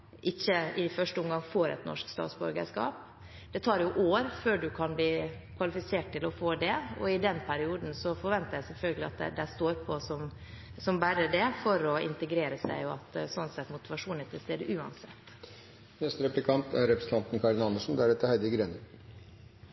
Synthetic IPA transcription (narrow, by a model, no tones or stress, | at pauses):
ʔɪçːəɪfœʂʈəʊmɡɑŋfoːɾɛ̰t̪nɔ̰ʂkst̪ɑ̰ːt̪sbɔ̰ɾɡə̰ʂkɑ̰ːp | d̪̥ɛt̪ʰɑːɾjʊʔoːɾføːɖʉkʰɑnbliː | kʰʋɑlɪfɪseːʈ̚ʈt̪ɪlɔfoːd̪ɛɔ̰ɪd̪ɛnpʰæɾɪuːd̪n̩sɔfɔɾʋɛnt̪əɾjæɪsɛlfœlɡəlɪɑ̰t̪̚d̪ɛ̰d̪æɪst̪oːɾpʰɔsɔm | sɔmbæɾəɖ̪ɛfɔɾɔɪ̰nt̪əɡɾeːɾəsæ̰ɪʊɑt̪sɔnsɛt̪ːmʊt̪ɪʋɑʂuːnɪt̪ʰɪlst̪eːd̪əʔʉːɑ̰nsɛ̰t̪ː | nɛst̪əɾɛplɪkʰɑnt̪ʰæɾɾɛpɾəsn̩t̪ɑnt̪nkʰɑɾnɑnd̪əʂn̩d̪æɾɛt̪ːəhæɪd̪ɪɡɾɛnə